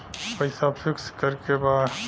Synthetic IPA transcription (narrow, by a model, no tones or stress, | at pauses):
pəɪsapʰikskəɾkeba